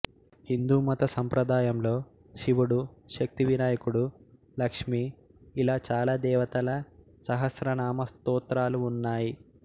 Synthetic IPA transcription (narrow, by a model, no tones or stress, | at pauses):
hind̪uːmɐt̪ɐsɐmpɾɐd̪aːjɐmlo̞ː | ʃiʋuɽuʃɐk̚t̪iʋinaːjɐkuɽu | lɐkʂmiː | laːt͡ʃaːlaːd̪ɛːʋɐt̪ɐlɐ | sɐɦɐsɾɐnaːmɐst̪uːt̪ɾaːluːnːaːji